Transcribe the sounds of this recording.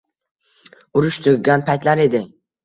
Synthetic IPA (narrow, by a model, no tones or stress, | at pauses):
ʊɾʊʃt̪ʰʊɡɡʲanpʰajt̪laɾe̞d̪ɪ